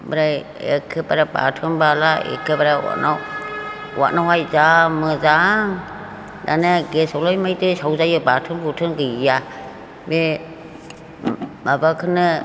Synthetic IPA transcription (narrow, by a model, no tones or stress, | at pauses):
bəɾaj | ḛkʰːɯpaɾaba̰tʰɯmbalaḛkʰːɯbaɾawa̰na | wa̰ʔnawhajzamɯzaŋ | danaɡesɔlɔjmajdɯsawzajɯbatʰɯnbutʰɯnɡɯa | be | mabakʰɯnɯ